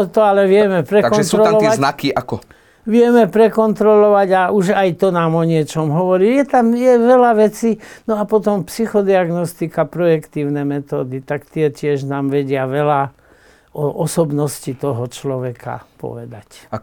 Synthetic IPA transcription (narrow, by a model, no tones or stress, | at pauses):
t̪ɔalɛʋɪɛmɛpɾɛaɔnst̪ːɾɔlɔanakiʔakɔ | ʋɪɛmɛpɾɛkɔnt̪ɾɔlɔʋaɟaʔuʒajt̪ɔnaːmɔɲɪɛt͡ʃɔmɦɔʋɔɾiːjɛt̪amjɛʋɛlaʋɛt͡siːnɔapɔt̪ɔmpsixɔd̪iaɡnɔst̪ikapɾɔjɛkt̪iːʊnɛmɛt̪ɔːd̪it̪akt̪ɪɛcɪɛʒnaːmʋɛɟɪaʋɛla | ɔʔɔsɔbnɔscit̪ɔɦɔt͡ʃlɔʋɛkʰa̰pɔ̰ʋɛd̪ac